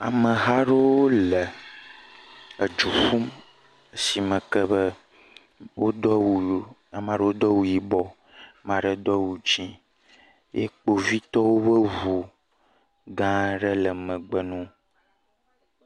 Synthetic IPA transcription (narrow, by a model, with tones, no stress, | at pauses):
a̰˨mə̃˨ɦa˦ɖe˦wo˦lə˨ | ə˨d͡ʒu˨fu˦m | ə˦si˨mə̃˨kə˦bə˦ | wo˦d̪ɔ˦wu˨˦a˨mã˨ɖə˦wo˦d̪ɔ˦wu˨ji˦bɔ˦ | mã˨ɖə˦d̪ɔ˦wu˨d͡ʒi˦ | jḛ˦k͡po˨vi˦t̪ɔ˦wo˦bə˦vu˨ | ɡã˦ɖə˦lə˨mə̃˨ɡ͡bə˦nũ˦